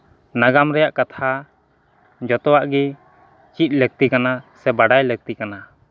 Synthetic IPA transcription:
naɡamɾɛjaʔkat̪ʰa | d͡ʒɔt̪ɔwaʔɡɛ | t͡ʃit̪̚ˀlɛk̚t̪ikanasɛbaɖajlɛk̚t̪ikana

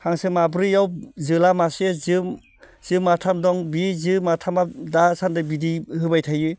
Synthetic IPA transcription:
haŋsɯmabɾɯjawzɯlamasezɯm | z̥ɯmatʰamdɔŋbizɯmatʰamadasandɯbidihɯbajtʰajɯ

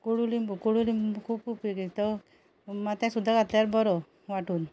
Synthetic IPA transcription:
koɽulimbukoɽulimbkʰuːpkʰupiket̪ɔ | mat̪ãsud̪ʱːaɡat̪laɾbɔɾɔ | ʋaʈuːn

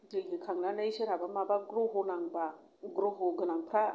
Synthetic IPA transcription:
diɡikʰaŋnanaiʃiɾabamabaɡɾuɦunaŋba | ɡɾuɦuɡənaŋpɾa

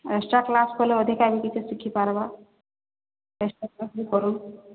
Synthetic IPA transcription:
esʈaklaskɔleɔd̪ʱikabikit͡ʃʰusikʰːipaɾba | esʈakasbikɔɾun

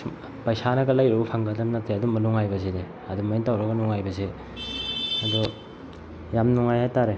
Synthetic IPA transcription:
pajsanɐɡɐlajɾɐbupʰaŋɡɐdɐmnɐteɐdumɐnuŋajbɐsede | ɐdumaintawɾɐɡɐnuŋajbɐse | ɐdu | jamnuŋajhajtaɾe

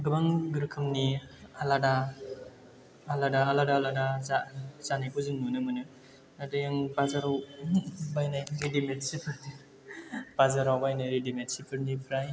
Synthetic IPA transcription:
ɡɯbaŋɡɯɾkʰɯmnialada | ladaːladaːladazazanajkʰuzɯŋnunɯmɯnɯ | adɯjaŋbazaɾaw | bajnajɾidimet̚sipʰɯɾni | b̥azaɾawbajnajɾidimetsipʰɯɾnipʰɾaj

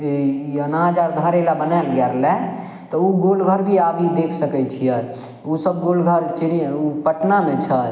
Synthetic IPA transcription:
ejənad͡ʒaɾd̪ʱəɾelabənɛlɡɛɾlɛ̃ | t̪ɔuɡolɡʱəɾbʱiabʱid̪ekʰsəkɛt͡ʃʰijə | usəbɡolɡʱəɾt͡ʃiniupəʈnanɛt͡ʃʰə

